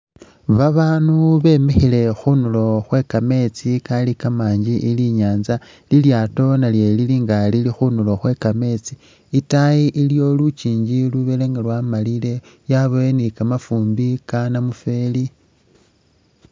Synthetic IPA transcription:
βaβaːnuβe̞mexile̞xunulo̞xwe̞kame̞t͡sikalikamaːɲɟiʔiliɲaːnza | liljaːto̞nalje̞liliːŋɡalilixunulo̞xwe̞kame̞t͡si̥ː | taiʔiljo̞lut͡ʃiːɲɟiluβele̞ŋɡalwamalile̞ | jaβoenikamafuːmbikanamufe̞li

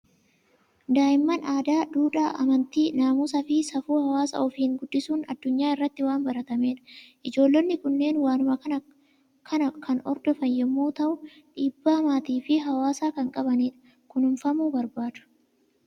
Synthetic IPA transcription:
d̪aːjɪmːɐnaːd̪aːd̪uːᶑaːʔɐ̰mɐnt̪iːnaːmuːsɐfɪsɐfuːhɐwaːsɐ̰ʔɔfiːŋɡʊd̪ːɪsuːnɐ̰d̪̥ːʊɲːaːɪrːɐt̪ːɪwaːnbɐɾɐt̪ɐme̞ːᶑɐ̥ʔɪd͡ʒo̞ːlːɔnːɪkʊnːe̞ːnwaːnʊmɐkɐnɐ | kʰɐnɐkʰɐnɔ̰ɾd̪ɔfɐnjɛmːuːt̪ɐʔʊᶑiːbːaːmaːt̪iːfɪɦɐwaːsaːkɐŋkʼɐbɐniːᶑɐ̥ | kʊnʊnfɐmuːbɐɾbaːd̪̥ʊ̥

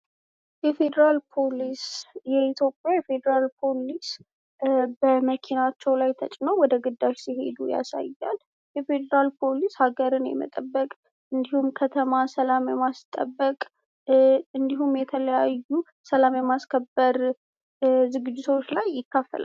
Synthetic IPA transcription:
jɛfe̞d̪əɾalpʰolisjɛit̪ʰjo̞pʼjajɛfe̞d̪əɾalpʰo̞lis | bəməkʰinat͡ʃːɛwlajt̪ʰət͡ʃʼnəwwɔd̪əɡɨd̪ːaʃsihe̞̰d̪uja̰sa̰jːa̰l | jɛfe̞d̪əɾalpʰo̞lishaɡəɾɨnjɛ̰mə̰t̪ʼəbːəkʼ | ʔɨnd̪ihumkʰət̪ʰəmasəlamjɛmast̪ʼə̰bːəkʼ | ɨnd̪iɦumjɛt̪ʰələjajːu | səlamjɛmaskʰəbːəɾ | zɨɡɨd͡ʒːɪt̪ʰo̞t͡ʃːlajːɪkːafːə̰lʔa̰l

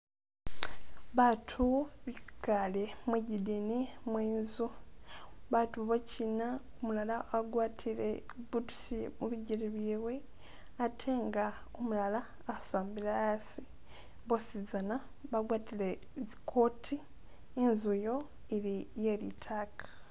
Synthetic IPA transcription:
βatʰuβikalemwiɟidinimwiːnzu | βatuβocina | omulalaaɡwaːtʰilḛ | βudu̥simuβiɟiɾiβiːwe̞ | atʰe̞ːŋɡa | omulalaːsaːmbilajasi | βosizana | βaɡwaːtile̞ | zikʰo̞tʰiː | nzujo̞ | eɾijelḭtʰaːkʰḁ

